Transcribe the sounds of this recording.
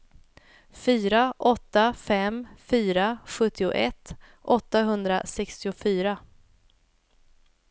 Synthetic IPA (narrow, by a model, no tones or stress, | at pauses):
fyːɾaʔɔt̪ːafɛmfyːɾaɧɵt̪ːɪʊ̰ʔɛt̪ː | ʔɔt̪ːaɦɵnd̪ɾa̰sɛkst̪ɪʊfyːɾa